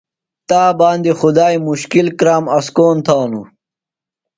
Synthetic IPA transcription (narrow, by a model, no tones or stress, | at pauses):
t̪aːbaːnd̪ixud̪aːimuɕkilkɾaːmɐskoːnt̪ʰawnṵ